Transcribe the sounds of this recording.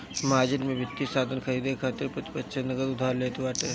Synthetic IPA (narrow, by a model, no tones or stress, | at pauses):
maːd͡ʒɪnmẽʋɪt̪ːisaːd̪ʱənkʰɐɾiːd̪ekʰaːt̪ɪɾpɾɐt̪ɪ̥pətːʃʰenɐɡəd̪ʊd̪ʱaːɾleːt̪ɪʋaːʈe